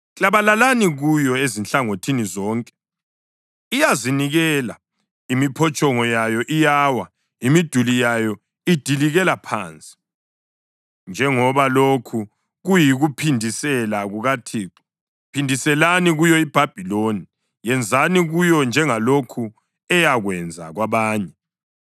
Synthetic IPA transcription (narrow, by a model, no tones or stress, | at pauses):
t͡ɬʼaβalalaniɣujɔezinɬaŋotʰinizɔːŋkʼɛ̥ | ijaziniɣɛla | imipʰɔt͡ʃʼɔŋɔjajɔʔijaːwa | imid̥ʱulijajɔ | id̥ʱiliɣɛlapʰa̰ːnt͡sʼi̥ | nd͡ʒʱɛŋɔβalokʰu | ɣujiɣupʰindʱisɛlaɣuɣatʰiːǀi̥ | pʰindʱisɛlaniɣujɔib̥ʱab̥ʱiloni | jɛnd͡zʱaniɣujɔnd͡ʒʱɛŋalokʰu | ɛjaɣwɛnd͡zʱa̰ɣwaβaːɲɛ